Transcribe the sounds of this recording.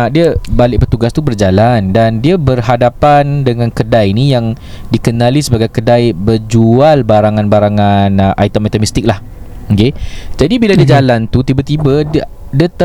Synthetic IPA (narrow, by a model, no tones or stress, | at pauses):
diəbalɪʔ̚pət̪uɡast̪ubərd͡ʒalandandiəbərɦadapandəŋãnkədajinijaŋdikənalisəbaɡajkədajbərd͡ʒualbaɾaŋanbaɾaŋanəʔa̰jt̪əmajt̪əmist̪ɪk̚lah̩ | ked͡ʒadibiladəd͡ʒalant̪ut̪ibət̪iba | diət̪ə